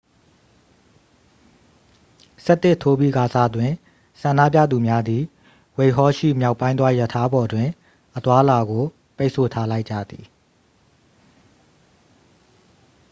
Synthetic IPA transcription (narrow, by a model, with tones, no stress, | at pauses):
sɛ˦ʔt̪ːɪ˦˨tʰo˦bi˦˨ɡa˨za˦˨dwɪ̃˨ | sã˨nda̰˦˨p̬jä̰˦˨d̪u˨mja˦d̪i˨ | we˨ɦɔ˦ʃḭ˦˨mja˦ʊpːã˦ɪ̃nd̪wa˦jə˨tʰa˦bɔ˨dwɪ̃˨ | ʔət̪wa˦la˨ɡo˨ | pe˦ɪʔsʰo˨tʰa˦la˦ɪʔt͡ɕa̰˦˨d̪i˨